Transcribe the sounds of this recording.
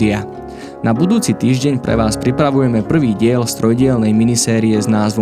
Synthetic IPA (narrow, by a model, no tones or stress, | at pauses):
ia | nabud̪uːt͡sit̪iːʒɟɛɲpɾɛ̰ʋaːspɾipɾaʋujɛmɛpr̩ʋiːɟɪɛlst̪ɾɔjɟɪɛlnɛjminisɛːɾiɛznaːzʋɔ